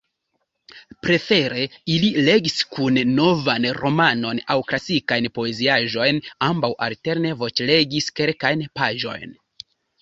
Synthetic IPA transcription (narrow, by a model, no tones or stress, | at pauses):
pɾe̞fe̞ɾe̞ilile̞ɡiskunːo̞vanɾo̞mano̞nawklasikajnpo̞e̞ziaʒo̞jnambawʔa̰lte̞ɾne̞vo̞t͡ʃle̞ɡiskelkajnpaʒo̞̰jn